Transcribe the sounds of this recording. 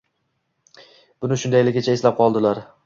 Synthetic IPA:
b̥ʊnɪʃʊnd̪ajlɪɡʲɪt͡ʃʰaeslap̚qʰɒlˠd̪ɪlaɾ

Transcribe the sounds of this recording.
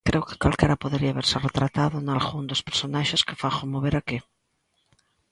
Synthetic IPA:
kɾewkɪ̥kalkɛɾapoðeɾiaβeɾseret̪ɾat̪aðʊnalɣund̪ospeɾsonaʃeske̥faxomoβeɾake

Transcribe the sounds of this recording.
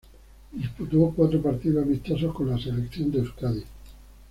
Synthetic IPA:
d̪isput̪okwat̪ɾopaɾt̪iðoamist̪ososko̞nlaselekθjo̞nd̪eeuskaði

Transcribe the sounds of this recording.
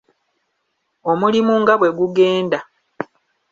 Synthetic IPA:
o̞mulimuŋɡaβwe̞ɡuɡe̞ːnda

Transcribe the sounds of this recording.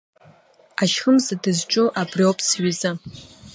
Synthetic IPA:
aʃχəmzadɨzʈ͡ʂʼʊʔabriopʼʰsɥiza

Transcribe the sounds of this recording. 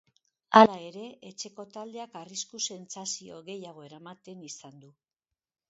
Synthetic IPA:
alae̞ɾe̞et͡ʃe̞ko̞t̪ald̪e̞akariskuse̞nt͡sasio̞̰ɣe̞jaɣ̞o̞e̞ɾamat̪e̞nisand̪u

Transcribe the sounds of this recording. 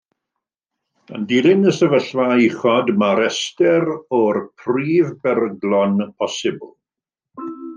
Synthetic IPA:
ə̰ndilɪnəsəvəɬvaɪχɔdmaɾɛstɛɾɔrpʰriːvbɛrɡlɔnpʰɔsɪbʊlˠ

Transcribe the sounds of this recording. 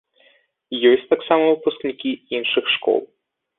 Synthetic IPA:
jɔsʲtʲt̪aksamɐvɨpusknʲikʲiinʂɨxʂkɔ̰lˠ

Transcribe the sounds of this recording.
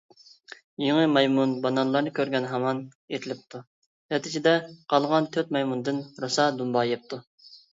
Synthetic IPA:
jiŋɨmɑjmunbɑnɑnlˠɑɾnɨkʲʰøɾɡʲɛnɦɑmɑn | et̪ʰɪlɪp̚t̪ʰu | ɛt̪ʰɪt͡ʃʰid̪ɛqʰɑlˠʁɑnt̪ʰøt̪̚mɑjmund̪ɨnɾosɑd̪umbɑjep̚t̪ʰu

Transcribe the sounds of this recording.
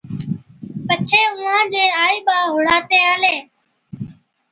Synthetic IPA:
pət͡ʃʰeːʊːãːd͡ʒeːaːiːɓaːɦʊɽaːt̪eːaːleː

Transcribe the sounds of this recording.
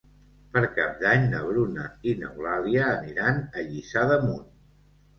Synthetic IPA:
pəɾka̰p̚d̪aɲnə̰βɾunəinə̰wlaðiəːniɾanəʎisaðəmun

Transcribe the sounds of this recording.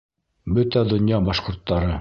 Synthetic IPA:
bɵt̪æd̪ŏnjɑbɑʃqŏɾt̪ːɑɾɤ

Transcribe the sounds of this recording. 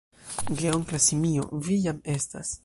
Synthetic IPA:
ɡeoŋklasimio̰vijame̞sta̰s

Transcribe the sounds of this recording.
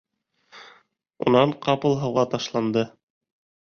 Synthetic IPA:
ṵnɑɴqɑpɤlˠɦɤ̆wʁɑt̪ɑʃlˠɑnd̪ɤ

